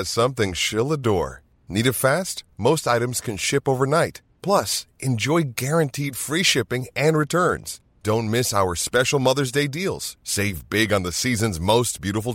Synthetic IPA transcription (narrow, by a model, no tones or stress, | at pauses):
ɨz̥sʌ̃mθɪ̃ŋʃɪlˠədɔ̰ɹ | niɾɨtfæst̚moʊstaɪɾɨ̃mz̥kʰɨ̃nʃɪpoʊvə˞naɪt̚ | pʰl̥ʌsʔɨ̃nd͡ʒɔɪɡɛɹɨ̃ntʰid̥fɹiʃɪpɪ̃ŋɨ̃nɹɨtʰɜ̃˞nz̥ | d̥õʊ̃nmɪsaʊə˞spɛʃl̩ˠmʌðə˞zdeɪdilˠz̥seɪvbɪɡə̃nðɨsizɨ̃nzmoʊs̚b̥jʉɾəfl̩ˠ